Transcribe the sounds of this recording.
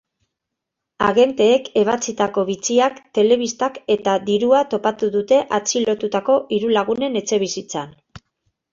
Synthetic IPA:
aɣe̞nt̪e̞ːke̞β̞at͡sit̪ako̞βit͡siakt̪e̞le̞β̞ist̪ake̞t̪aðiɾuat̪o̞pat̪uðut̪e̞ʔat͡silo̞t̪ut̪ako̞ʔiɾulaɣ̞une̞ne̞t͡se̞β̞isit͡san

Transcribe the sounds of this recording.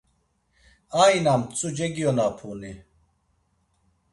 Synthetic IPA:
aːinamt͡sʼud͡ʒeɡijonaːpʰuːni

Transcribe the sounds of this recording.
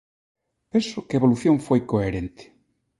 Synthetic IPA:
pẽnsʊkeeβoluθjõŋfojkoeɾent̪ɪ̥

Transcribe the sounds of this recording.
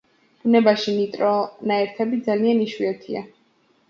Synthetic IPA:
b̥unɛbaʃinit̪ʼɾɔnaɛɾt̪ʰɛbid̪zalianiʃwiɔt̪ʰḭa̰

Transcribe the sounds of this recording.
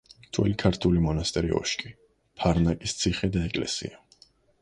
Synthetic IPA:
t̪ʰwɛ̰likʰaɾt̪ʰulimɔnast̪ʼɛɾiɔ̰ʃkʼi | pʰaɾnakʼist̪sʰiχɛd̪aɛkʼlɛ̰sḭa

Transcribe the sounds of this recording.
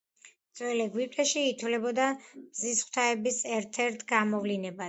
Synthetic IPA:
t̪sʼwɛlɛɡwip̚ʼt̪ʼɛʃiːt̪ʰwlɛbɔd̪amzisχw̥t̪ʰaɛbisɛɾt̪ʰɛɾt̪ʰɡamɔvlinɛba

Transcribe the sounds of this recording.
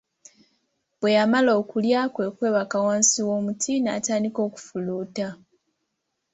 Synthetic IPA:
bwe̞jamalo̞ːkuljakwe̞ːkwe̞ːβakawaːnsiwo̞ːmutʰina̰ːtaːndiko̞ːku̥fuluːta

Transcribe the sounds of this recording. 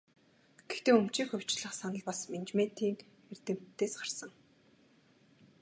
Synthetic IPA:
ɡ̥ext̪eːɵm̥t͡ɕiːxɵw̥ʲt͡ɕɮə̆χsanə̆ɮpasment͡ɕmet̪ʰiːŋ | er̥t̪ɘ̆m̥t̪ːeːsɢarsə̆ŋ

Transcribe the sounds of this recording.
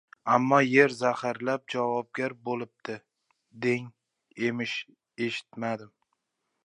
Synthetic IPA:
amːɒje̞ɾzahaɾlap̚d͡ʒavɒb̚ɡʲaɾbolɪp̚d̪̥ɪ | d̪eŋ | e̞mɪʃ | e̞ʃɪ̥t̪mad̪ɪm

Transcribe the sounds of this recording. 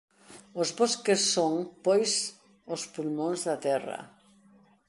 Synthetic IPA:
ozβoskesːoŋpojs | ospulmõnzðat̪ɛrɐ̰

